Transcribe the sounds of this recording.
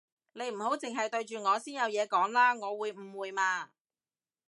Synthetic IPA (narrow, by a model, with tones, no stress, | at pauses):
ne˨˧jm̩˨˩ho˨˥wt͡sɪ˨ŋɦɐ˨jt̪ɵ˧ɥt͡ʃyː˨ŋɔː˨˧siː˥njɐ˨˧wjɛː˨˧kɔː˨˥ŋlaː˥ŋɔː˨˧wuː˨˧jm̩˨˩wuː˨jmaː˧